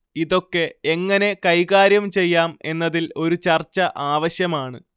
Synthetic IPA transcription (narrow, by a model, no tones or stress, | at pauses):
iðo̞kːe̞e̞ŋːɐne̞kɐjɣaːɾjɐmt͡ɕe̞jːaːme̞nːɐðilo̞ɾut͡ɕɐrt͡ɕːɐʔaːʋɐɕjɐmaːɳɨ